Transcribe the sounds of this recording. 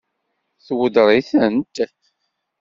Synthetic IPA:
θwəd̪ɾˤiθənt̪ːæθ

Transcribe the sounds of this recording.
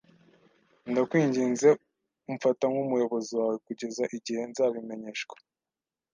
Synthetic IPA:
ndakwiːɲɟiːnze̞ | uɱfatamɡumujo̞βo̞ziwaːwe̞kuɟe̞zaʔiɟihe̞nzaːβime̞ɲe̞ʃkwḁ

